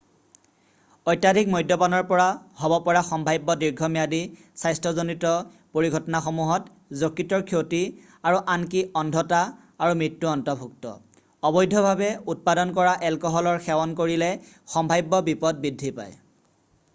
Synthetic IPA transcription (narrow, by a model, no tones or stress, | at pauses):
ɔjtjadʱikmɔjdʱjɔpanɔɹpɔɹahɔbɔpɔɹaxɔmbʱajbːɔdiɹɡʱɔmijadi | sajstʰɔzonitɔ | poɹiɡʱɔtɔnaxɔmuɦɔt | zokːitɔɹkʰioti | aɹuʔankiɔndʱɔta | aɹumɹitːuɔntɔbʱuk̚tɔ̰ | ɔbɔjdʱɔbʱabɛut̚padɔnkɔɹaʔɛlkɔɦɔlɔɹxɛwɔnkoɹilɛ | xɔmbʱajbːɔbipɔd̚bidʱːipa̰j